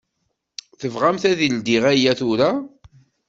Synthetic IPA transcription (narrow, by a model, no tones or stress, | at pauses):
θəvʁamθæðild̪iʁæjːæθʊɾa